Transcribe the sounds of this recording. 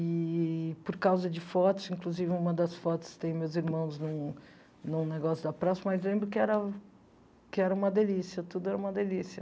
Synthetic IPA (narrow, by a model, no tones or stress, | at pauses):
ɪpoɾkawzɐd͡ʒɪfɔt̪ʊ̥zĩŋkluzivɪũmɐd̪ɐsfɔt̪ʊ̥st̪ẽj̃mewziɾmɐ̃w̃znũ | nũneɡɔsjʊd̪ɐpɾasɐmɐzlẽmbɾʊkɪɛɾɐ | kɪɛɾɐũmɐd̪elisiɐt̪ud̪ʊɛɾɐũmɐd̪elisiɐ